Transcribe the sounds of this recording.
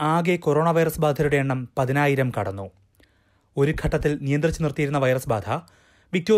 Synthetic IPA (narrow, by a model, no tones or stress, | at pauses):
aːɡeko̞ɾo̞ːɳɐʋɐjrɐsbaːd̪ʱɐɾuɽe̞eɳːɐmpɐðinaːjiɾɐmkɐɽɐnːu | o̞ɾukʰɐʈːɐt̪ːilnijɐnd̪rit͡ɕːunirt̪ijiɾunːɐʋɐjrɐsba̰ːd̪ʰʱɐ | ʋik̚t̪joː